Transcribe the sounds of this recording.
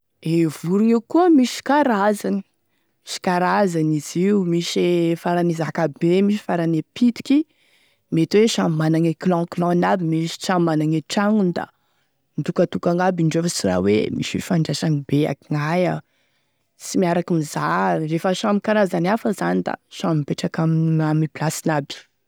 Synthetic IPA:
evuɾuiukuəmiʃi̥kaɾazani̥ | miʃi̥kaɾazaniziumiʃefaɾanizakabemiʃ̬i̥faɾanepit̪i̥ki | met̪iweʃammanaŋeklɔ̃klɔ̃nabimiʃi̥ʃammanaŋeʈ͡ʂaŋund̪a̰ | nd̪ukət̪ukaŋabiɳɖ͡ʐefəsira̰wemḭʃwḭfaɳɖ͡ʐaʃanibea̰kiŋaja | t͡simiaɾakimizarefəʃamikaɾazanafəzanid̪a̰ʃãmipeʈ͡ʂakamamiplasinabi̥

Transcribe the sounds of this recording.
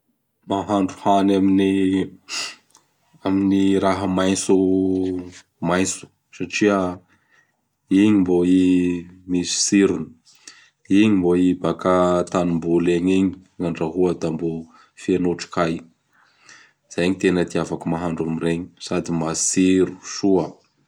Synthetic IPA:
maɦaɳɖ͡ʐuhanamini | aminiɾaɦəmajnsu | majnt͡su̥ | saʈ͡ʂiə | iɲimboimisi̥siɾuni̥ | iɲimboibakat̪anumbuleɲiɲiŋaɳɖ͡ʐaɦuəd̪ambo | fienoʈ͡ʂi̥kaj | z̥ajɲit̪enəd̪iafakumaɦaɳɖ͡ʐumiɾeɲi̥sad̪imasiɾu̥suə

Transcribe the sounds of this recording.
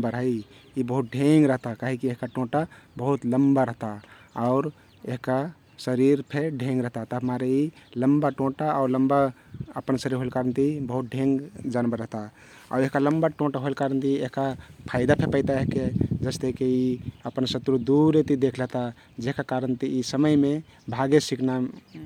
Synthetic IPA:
baɾɦəi | ibəɦut̪̚ɖʱeŋɡɾəɦt̪akaɦikieɦkaʈõʈabəɦut̪ləmbaɾəɦt̪a | aʊɾ | eɦka | səɾiɾpʰeɖʱẽŋɡɾəɦt̪at̪əɦəmaɾeiləmbaʈõʈaaʊɾləmba | ə̰pənsəɾiɾɦoelkaɾənt̪ibəɦut̪̚ɖʱẽŋɡd͡ʒanbəɾəɦt̪a | a̰ʊɾeɦkaləmbaʈõʈaɦoelkaɾənt̪ieɦkapʰaɪd̪apʰepəɪt̪aeɦked͡ʒəst̪ekeiəpənsət̪ɾud̪uɾet̪id̪ekʰləɦt̪a | d͡ʒeɦkakaɾənt̪iisəməjme | bʱaɡesikna

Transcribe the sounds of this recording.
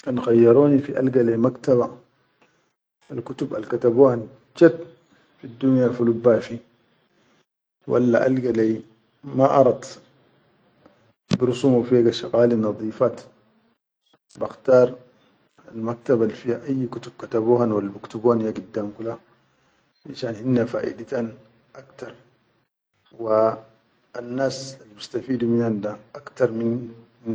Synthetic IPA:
ʔanxajːɑɾˤoːnifiʔalɡalamakt̪aβa | alkut̪uba̰lkat̪abuːhan | t͡ʃat̪ | fid̪ːunjafulubaːfi | wa̰lːaʔa̰lɡala | maʔɑ̰ɾˤɑd̪ | bɾʊsumafiɡaʃaɣaːlinɑðˤiːfaːt̪ | baxt̪ɑːɾˤ | almak̚t̪abalːifiːhaʔajːkut̪ub̥̚kat̪abuːhanwalːabikt̪ubuːhanjaɡid̪ːaːmkula | aʃaːnhinːafa̰ːʔḭd̪at̪aːn | ʔakt̪ɑɾˤ | wa | anːaːsalːbist̪afiːd̪uminand̪aʔakt̪ɑɾˤmin

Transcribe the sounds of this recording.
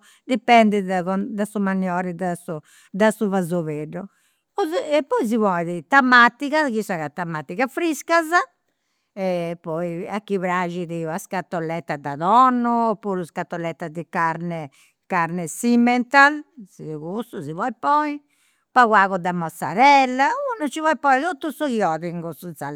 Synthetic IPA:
d̪ipɛnd̪ɛɔd̪asumanjɔɾid̪asu | d̪asuvazoβeɖu | ɛpːɔiz̬ivɔjðit̪amat̪ːiɣakisaɣat̪ːamat̪ːiɣafɾiskaza | ɛpɔiakːiβɾaʒiðiaskat̪ːɔlːɛt̪ːad̪aðɔnːuːpːuɾuskat̪ːɔlːɛt̪ːad̪ikaɾnɛ | kaɾnɛsimɛnt̪alsiɣust̪uzivɔipɔi | paɣwaɣɔd̪amːasa̰ɾɛlːaunat͡ʃivɔipɔiðot̪ːusuɣiɔðiŋɡususa

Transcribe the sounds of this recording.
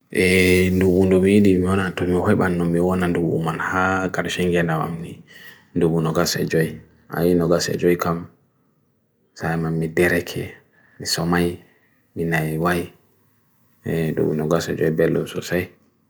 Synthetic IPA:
ʔɛnduɓundɔmijiɗimiwɔnatɔmihɔjɓanːɔːiwɔnanduɓṵmanhaɡaɾʃɛŋɡɛnawa̰mni | nduɓunɔɡasɛ̰d͡ʒɔj | ʔa̰jinɔɡasɛ̰d͡ʒɔjkam | sajmamːidɛɾɛkʰɛ̰ | misɔmaj | minajwaji | ɛdṵɓunɔɡasɛ̰d͡ʒɔjbɛlːɔ̰msɔsaj

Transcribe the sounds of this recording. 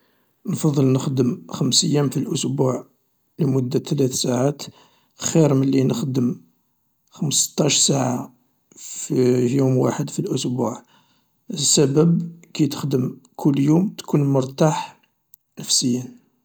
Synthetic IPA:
nfɑd̪ˤːəlnəxd̪əmxəmsəjːæmfilʔʊsbuʕ | ləmʊd̪ːat̪læt̪saʕat̪ | xiɾməlːinəxd̪əm | xəməsə̥t̪ˤːɑʃsaʕa | fjumwaħəd̪filʔʊsbuʕ | əsːæbəbkit̪ə̥xd̪əmkʰʊlːjumt̪kʰunmʊɾˤt̪aħ | nəfsəjːən

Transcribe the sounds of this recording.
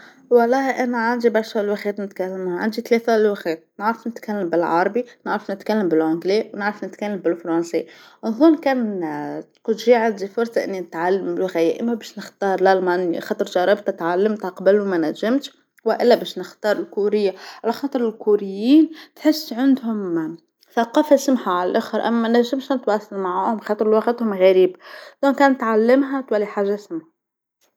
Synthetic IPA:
wɑlˤːɑːhʔænæʕand̪ibɑɾˤʃalwɪxɛːt̪nɪt̪kalːɪmhaʕa̰nd̪it̪leːθælwɪxɛːt̪̚nəʕɾˤɑfnɪt̪kalːambɪlʕɑɾˤɑbinəʕɾɑfnɪt̪kalːambɪlʕʊnɡliːwnɪʕɾˤɑfnɪt̪kalːambɪlfɾˤɑnsḭːʔʊnzˤuːnkɛːnt̪qud̪ʒiːʕand̪ifʊɾsˤɑʔɪ̰nːinɪt̪ʕalːambɪlɣæjaʔɪ̰mːæbæːʃnɪxt̪ɑːɾˤlælmanxɑt̪ˤɨɾˤʒɑɾˤɑbt̪at̪ʕalːamt̪aqɑbaluwmænæʒːamt̪ | wɪʔɪlːæbæːʃnɪxt̪ɑːɾˤɪlkuɾɪjːaʕalæxɑːt̪ˤɨɾɪlkuɾɪjːiːnt̪ħɪsːʕand̪hʊm | θaqɑːfasamħaʕalælʔʊxɑɾʔæ̰mːæmænæʒːɪmʃnt̪wɑːsˤɑlmaʕaːhʊmxɑːt̪ˤɨɾlwɑxɪt̪hʊmɣæɾiːbd̪̥ɑːnkæːnt̪ʕalːɪmɦæt̪wælːiħaːʒːaæsmħa

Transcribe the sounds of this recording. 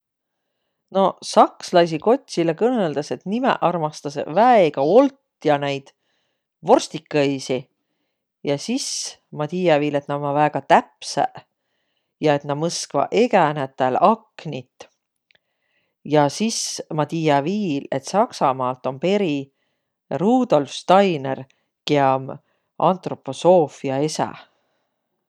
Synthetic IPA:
no̞sɑkslɑs̬iko̞t̪ʲːsilekɤneld̪ɑse̞t̪nimḛʔɑrmɑst̪ɑsvæeɡ̥ɑo̞lt̪ːjɑnejd̪̥ | vo̞rst̪ikːˑɑjsi | jɑsis | mɑt̪ijɑviːle̞t̪nɑmɑvæɡ̥ɑt̪æpsæ̰ | jɑe̞t̪nɑmɤskvɑ̰ʔe̞ɡænet̪ːˑelɑknit̪ːˑ | jɑsismɑt̪iːjɑviːle̞t̪sɑksɑmɑːlt̪o̞npe̞ɾi | ruːd̪o̞lfst̪ɑjnḛr | keɑm | ɑnt̪ro̞pːo̞so̞ːfiɑe̞sæ̰

